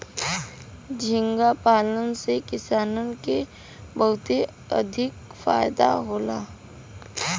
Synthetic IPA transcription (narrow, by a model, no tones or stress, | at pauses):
d͡ʒʱɪ̃ŋɡapaːlənsekɪsaːnənke | bəɦʊt̪e | ə̰d̪ʱɪkfa̰ːjd̪a̰ɦoːla̰ː